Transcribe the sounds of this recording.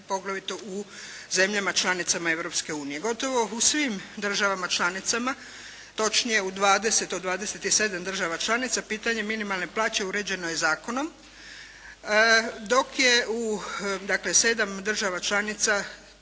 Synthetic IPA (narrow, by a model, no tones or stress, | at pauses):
po̞ɡlˠaʋit̪ouze̞mʎamat͡ʃlanit̪samae̞ʋɾo̞pske̞uːnije̞ɡo̞t̪o̞ʋo̞usʋimd̪r̩ʒaʋamat͡ʃlanit̪sama | t̪o̞t͡ʃnije̞ud̪ʋaːd̪e̞se̞t̪od̪ʋaːd̪e̞set̪ise̞d̪amd̪r̩ʒaʋat͡ʃlˠanit̪sapiːt̪aɲe̞minimalˠne̞plaːt͡ɕe̞uɾe̞d͡ʑe̞nojezaːko̞nom | d̪o̞kjeud̪akle̞se̞d̪amd̪r̩ʒaʋat͡ʃlanit̪sa